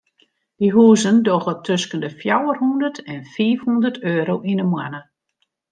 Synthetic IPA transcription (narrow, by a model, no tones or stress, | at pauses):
d̥iɦuːzəndoɣɔtʰøskəndəfjawərhundərtɛnfiːfhundərtʰøːɾowʔinəmwanə